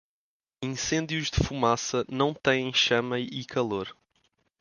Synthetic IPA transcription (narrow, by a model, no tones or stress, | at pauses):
ĩsẽnd̪juʒðɨfumasɐnɐ̃w̃t̪ɐ̃j̃ẽj̃ʃɐmɐikʰɐlˠoɾ